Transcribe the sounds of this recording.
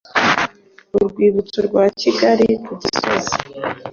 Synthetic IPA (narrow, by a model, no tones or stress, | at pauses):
uɾɡwiːβut͡suɾɡwaːciɡaɾiɾuɟisozi